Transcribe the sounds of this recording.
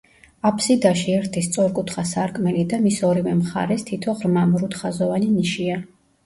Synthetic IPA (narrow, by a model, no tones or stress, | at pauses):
apʰsid̪aʃiɛɾt̪ʰist̪sʼɔɾkʼut̪ʰχasaɾkʼmɛlid̪amisɔɾivɛmχa̰ɾɛst̪ʰit̪ʰɔʁɾmamɾut̪χazɔvaniniʃia